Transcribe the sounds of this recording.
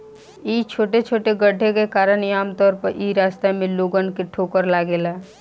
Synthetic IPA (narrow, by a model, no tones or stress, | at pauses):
iːt͡ʃʰoːʈet͡ʃʰoːʈeɡəɖʱːekekaːɾənaːmt̪ɔːɾpəɾʔiːɾaːst̪amẽloːɡənkeʈʰoːkəɾlaːɡeːla